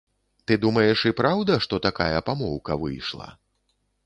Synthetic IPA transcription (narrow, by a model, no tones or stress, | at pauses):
t̪ɨd̪umɐjɛʂipɾawd̪ɐʂt̪ɔt̪akajɐpamɔwkɐvɨ̰jʂlˠɐ̰